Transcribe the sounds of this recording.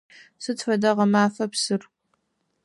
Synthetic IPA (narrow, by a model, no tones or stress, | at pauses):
sɨtʰfɐdɐʁɐmaːfɐpsɨr